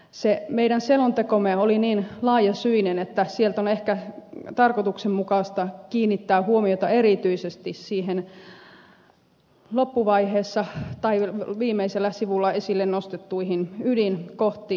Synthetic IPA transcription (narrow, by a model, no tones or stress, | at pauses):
semeiɾænselont̪ekomeoliniːnlɑːjɑsyinenet̪ːæsielt̪onehkæt̪ɑrkot̪uksemmukɑˑst̪ɑkiːnːit̪ːæːhuomiot̪ɑeɾit̪yisest̪issiːɦen | lopːuʋɑiheːsːɑt̪ɑiʋiːmːˑeiselːæsiʋulːɑesilːennost̪et̪ːuihinydinkoht̪iː